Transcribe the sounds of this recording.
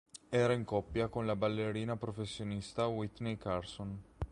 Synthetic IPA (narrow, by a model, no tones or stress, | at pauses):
ɛːɾaiŋkɔpːjakonlabalːeɾiːnapɾofesːjonist̪awit̪nekarson